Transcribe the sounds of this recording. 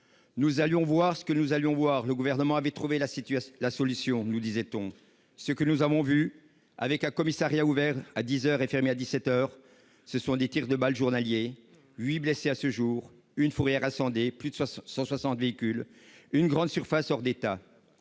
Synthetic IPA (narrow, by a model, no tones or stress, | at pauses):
nuzaljɔ̃vwaʁsə̥kənuzaljɔ̃vwaʁləɡuvɛʁnəmɑ̃avɛt̪χuvelalasɔlysjɔ̃nud̪izɛt̪ɔ̃ | səkənuzavɔ̃vy | a̰vɛkɛ̃kɔmisaʁjauvɛʁad̪izœʁefɛʁmead̪isɛt̪œːʁ | səsɔ̃d̪et̪iʁd̪əbalʒuʁnalje | ɥibleseasəʒuːʁ | ynfuʁjɛʁasɑ̃d̪eplyd̪əsɑ̃swasɑ̃t̪veikʲyl | ynɡʁɑ̃d̪syʁfasɔʁd̪et̪a